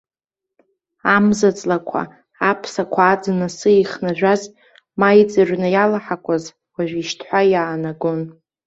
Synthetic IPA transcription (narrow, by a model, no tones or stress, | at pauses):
amzat͡sʼlakʷʰa̰ | apʰsakʷʰaːd͡zɨnasɨiχnaʒᶣʷaz | majt͡sʼɨrnɨjalaħakʷʰaz | waʒᶣʷiʃtʰħʷajaːnaɡon